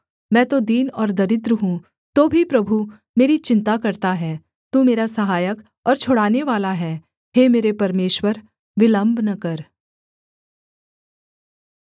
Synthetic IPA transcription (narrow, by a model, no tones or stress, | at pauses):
mɛ̃ːt̪od̪iːnɔːɾd̪ɐɾɪd̪ɾəɦũ | t̪oːbʱipɾɐbʱu | meːɾit͡ʃɪ̃nt̪akɐɾt̪aɦɛː | t̪uːmeːɾasɐɦaːjək | ɔːɾt͡ʃʰoɽaːneʋaːlaɦɛː | ɦemeːɾepɐɾmeːʃwəɾ | ʋɪlə̃mbʱnɐkɐɾ